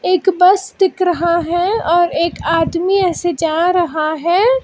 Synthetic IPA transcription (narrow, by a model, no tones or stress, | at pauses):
eːkbɐsd̪ɪkɾɐɦaɦɛ̃ɔːɾeːkaːd̪miɛːsed͡ʒaːɾɐɦaɦɛː